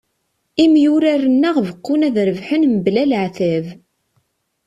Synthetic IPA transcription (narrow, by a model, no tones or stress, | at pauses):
imjʊɾarənːæʁvəqːunæðɾəvħənməblælʕθæv